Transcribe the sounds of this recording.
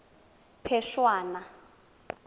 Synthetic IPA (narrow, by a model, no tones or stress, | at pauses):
pʰɛʃwaːna